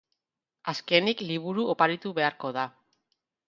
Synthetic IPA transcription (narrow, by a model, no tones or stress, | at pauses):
aske̞nikliβ̞uɾuʔopaɾit̪uβe̞aɾko̞ða